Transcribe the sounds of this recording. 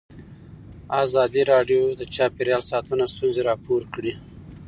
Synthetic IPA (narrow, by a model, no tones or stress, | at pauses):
azɑd̪iɾɑɖjod̪ət͡ʃɑpeɾjɑlsɑt̪ənast̪unzeɾɑpoɾkɽi